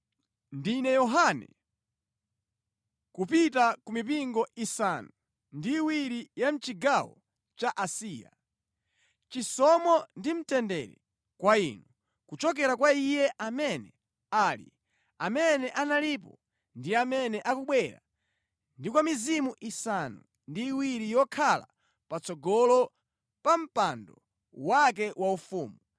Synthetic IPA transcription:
ndinɛjɔɦanɛ̰ | kupitakumip̬iŋɡɔʔisanu | ndiːwiɾijam̩t͡ʃiɡawɔ̰ | t͡ʃaʔasiːja̰ | t͡ʃisɔmɔndim̩tɛndɛ̰ɾɛ̰ | kwainu | kut͡ʃɔk̬ɛɾakwaijɛʔamɛnɛ | aːlḭ | amɛnɛʔanalipɔ | ndiamɛnɛʔakuɓwɛɾa̰ | ndikwamizimuʔisanṵ | ndiːwiɾijɔkʰala̰ | pat͡sɔɡɔlɔ | pam̩pandɔ | wak̬ɛwaufuːmu

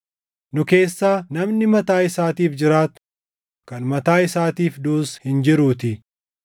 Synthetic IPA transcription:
nʊke̞ːsːaːnɐmnɪmɐt̪aːɪsaːt̪iːfd͡ʒɪɾaːt̪ | kɐnmɐt̪aːɪsaːt̪iːfd̪uːshɪnd͡ʒɪɾuːt̪ɪ

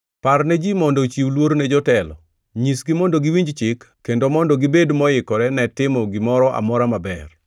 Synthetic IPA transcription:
parnɛd͡ʒimɔndɔt͡ʃiwlwoɾnɛd͡ʒɔtɛlɔ̰ | ɲisɡɪmɔndoɡɪwiɲd͡ʒt͡ʃɪkːendomɔndɔɡɪbedmɔjɪkɔɾɛnɛtɪmɔɡɪmɔɾɔʔa̰mɔɾamabɛr

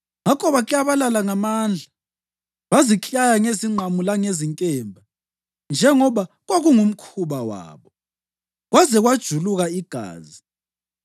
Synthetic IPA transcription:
ŋakʰʼɔβaɣiaβalalaŋamaːnd͡ɮʱa | βazit͡ɬʼajaŋeziŋ͡ǃʱamulaŋeziŋkʼɛːmbʱa | nd͡ʒʱɛŋɔβa | ɣwaɣuŋum̩kʰuβawa̰ːβɔ | ɣwazɛɣwad̥ʒ̥ʱuluɣaiɡ̥ʱa̰ːzi

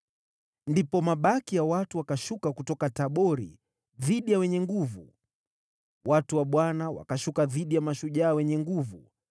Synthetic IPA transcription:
ndipɔmaɓakijawatuwakaʃukakutɔkataɓɔɾḭ | ðiɗijawɛɲɛŋɡuvu | watuwaɓwanawa̰kaʃukaðiɗijamaʃuʄaːwɛɲɛŋɡuvu

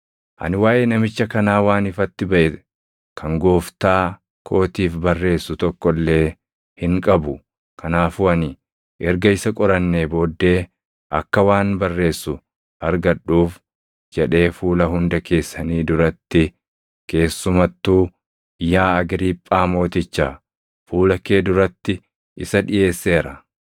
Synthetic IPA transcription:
ʔɐ̰nɪwaːʔeːnɐmɪt͡ʃːɐkɐnaːwaːnɪfɐt̪ːɪbɐʔɛ | kʰɐŋɡoːft̪aː | kʰo̞ːt̪iːfbɐrːe̞ːsːʊt̪ɔkːɔlːe̞ː | hɪŋkʼɐbʊ | kʰɐnaːfʊɐnɪ | ʔɛɾɡɐɪsɐkʼɔɾɐnːeːbo̞ːd̪ːe̞ː | ʔɐ̰kːɐwaːnbɐrːe̞ːsːʊ | ɐɾɡɐᶑːuːf | d͡ʒɛᶑe̞ːfuːlɐɦʊnd̪ɐke̞ːsːɐniːd̪ʊɾɐt̪ːɪ | ke̞ːsːʊmɐt̪ːuː | jaːɐɡɾiːpʼːaːmo̞ːt̪ɪt͡ʃːaː | fuːlɐke̞ːd̪ʊɾɐt̪ːɪ | ʔɪsɐᶑɪje̞ːsːe̞ːɾɐ

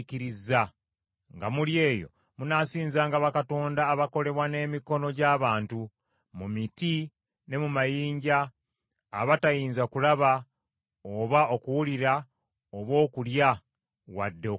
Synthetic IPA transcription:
kiɾiza | ŋɡamulje̞ːjo̞̰ | munasiːnzaːŋɡaβakato̞ːndaːβako̞le̞βwane̞ːmiko̞no̞ɟaːβaːntu | mumiti | ne̞mumajiːɲɟaː | βatajiːnzakulaβa | oβao̞kuwuliɾa | oβwo̞ːkulja | wa̰dːe̞

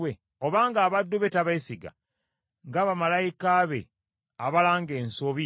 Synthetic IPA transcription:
we | o̞βaːŋɡaːβadːuβe̞taβasiɡa̰ | ŋɡaːβamalajikaβe̞̰ | aβalaːŋɡe̞ːnsoβi

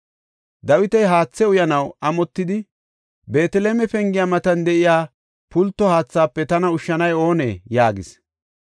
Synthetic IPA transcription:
d̪ɐwɪt̪ɐjɦaːt͡sːɛʊjɐnɐwʔɐmɔt̪ːɪd̪ɪ | be̞ːt̪ɛleːmɛfɛŋɡɪjamɐt̪ɐnd̪ɛʔɪjaː | pʊlt̪ːɔhaːt͡sːaːpːɛt̪ɐnɐʊʃːɐnɐjo̞ːnḛːjaːɡɪ̰s

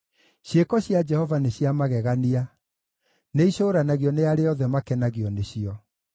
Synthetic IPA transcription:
ɕjekɔɕjad͡ʒɛhɔvaneɕiamaɣɛɣania | neiɕoːɾanaɣiɔneaɾejɔðɛmakɛnaɣiɔneɕiɔ

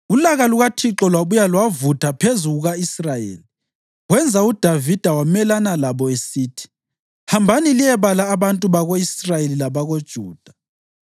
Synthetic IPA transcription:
ulaɣaluɣatʰiǁɔlwaβujalwavutʰapʰezuɣuɣaisrajḛːli | ɣwɛnd͡zʱaud̥ʱavid̥ʱawamɛlanalaβɔesiːtʰi̥ | hambʱanilijɛβalaːβantʼuβaɣoisrajelilaβaɣod̥ʒ̥ʱuːd̥ʱḁ

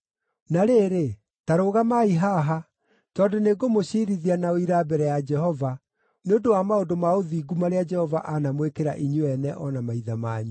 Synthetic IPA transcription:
naɾeːɾe | taɾoːɣamaiɦaɦa | tɔːdoneɡomoɕiːɾiðianaoiɾaːbɛɾɛjad͡ʒɛhɔva | neodowamaodomaoðiːɡumaɾead͡ʒɛhɔvaʔanamwekeɾa̰ʔiɲuɛnɛʔɔnamaiðamaːɲu

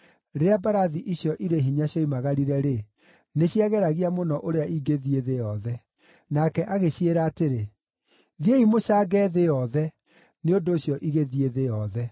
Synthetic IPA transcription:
ɾeɾeabaɾaðiʔiɕjɔʔiɾeɦiɲaɕjɔimaɣaɾiɾɛɾe | neɕiaɣɛɾaɣiamonɔʔoɾeaiɡeðieðejɔðɛ | nakɛʔaɣeɕeɾaːteɾe | ðieimoʃaɡɛːðejɔðɛ | neondoːɕjɔʔiɣeðieðejɔðɛ

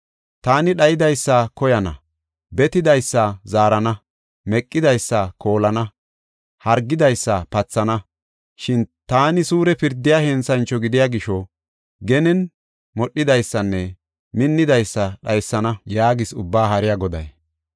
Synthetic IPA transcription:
t̪aːnɪɗɐjɪd̪ɐjsːɐkɔjɐnɐ̰ | bɛt̪ɪd̪ɐjsːɐzaːɾɐnɐ | mɛkʼːɪd̪ɐjsːɐkʰo̞ːlɐnɐ | hɐɾɡːɪd̪ɐjsːɐpɐt͡sːɐnɐ | ʃɪnt̪aːnɪsuːɾɛpɪɾd̪ːɪjahɛnsɐnt͡ʃːɔɡɪd̪ɪjaɡɪʃɔ | ɡɛnɛn | mɔɗːɪd̪ɐjsːɐnːɛ | mɪnːɪd̪ɐjsːɐɗɐjsːɐnɐjaːɡɪsʊbːaːɦɐɾɪjaɡɔd̪ɐ̰j

